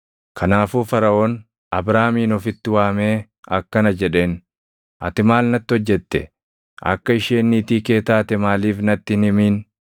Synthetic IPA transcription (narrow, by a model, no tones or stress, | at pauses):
kʰɐnaːfuːfɐɾɐʔo̞ːn | ʔɐbɾaːmiːnɔfɪt̪ːɪwaːme̞ː | ɐkːɐnɐd͡ʒɛᶑe̞ːn | ʔɐ̰t̪ɪmaːlnɐt̪ːɪɔd͡ʒːɛt̪ːɛ̰ | ʔɐ̰kːɐɪʃeːnːiːt̪iːke̞ːt̪aːt̪ɛmaːliːfnɐt̪ːɪɪnɪmiːn